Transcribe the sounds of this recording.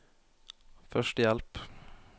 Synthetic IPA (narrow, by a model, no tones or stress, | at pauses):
fœʃʈəjɛlp